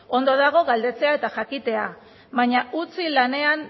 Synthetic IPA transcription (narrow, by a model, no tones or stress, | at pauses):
o̞nd̪o̞ðaɣ̞o̞ɣald̪e̞t͡se̞ae̞t̪aʝakit̪e̞a | βaɲaut͡silane̞an